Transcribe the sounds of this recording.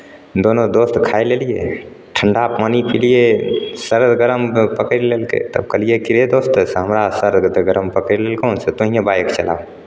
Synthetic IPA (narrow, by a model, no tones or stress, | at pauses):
d̪oːnod̪oːst̪kʰaːeleːlije | ʈʰəɳɖapaːnipʰilijesəɾd̪ɡəɾəmpəkəɾileːlkḛt̪ə̰bkəlijekɪɾed̪oːst̪sɦəmɾasəɾɡd̪ɡəɾəmpəkɾileːlkõːnset̪oɦĩjẽbaːjəkt͡ʃəla̰ː